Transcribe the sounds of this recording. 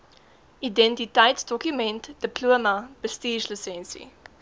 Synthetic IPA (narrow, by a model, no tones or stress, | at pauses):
idɛ̃ntitaɪtsd̥ɔkjumɛ̃ntd̥əploəmɐb̥əstiːʒləsɛ̃nsḭ